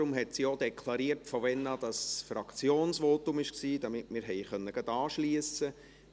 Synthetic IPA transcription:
ʊmɦɛtsiod̥̪ɛkʰlˠɑɾiəɾtfɔʋɛnɑd̥ɑsfrɑkt͡sjoːnsʋoːtʊmɪʃksiːdɑmɪtmɪːɾɦɛɪχœnːəɡ̥ɑd̥ɑːʃliəsə

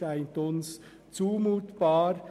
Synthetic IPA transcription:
aɪntʊns | t͡suːmuːtb̥ɑːɾ

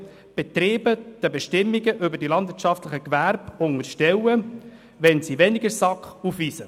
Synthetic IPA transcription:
b̥ɛt̪ɾiːbəd̥əbɛʃtɪmːiɡəʔʏbəɾdilɑnd̪vɪɾt͡ʃɑftlɪχəkʋæɾb̥ʊŋəʃtɛwə | ʋɛnsiʋɛniɡəɾsɑkχufʋiːsə

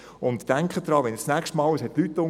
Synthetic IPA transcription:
ʊnt̪ːæŋkχəd̪̥ɾɑːʋɛnst͡sːnæːkʃtmɑːlwəshɛt̚lytːʊ

